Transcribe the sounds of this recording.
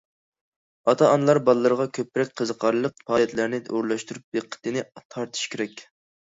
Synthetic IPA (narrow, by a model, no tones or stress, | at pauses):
ɑt̪ʰɑɑnlˠɑɾbɑlˠɨlːˠəɾəʁɑkʲʰøpːɾɛk̚ʲqʰəzəqʰɑɾlˠəq̚pʰɑːjɛt̪læɾnɪoɾlˠɑʃt̪uɾup̚beqʰːə̥t̪ɨnɪt̪ʰɑɾt̪ʰɨ̥ʃkʲʰeɾɛkʲ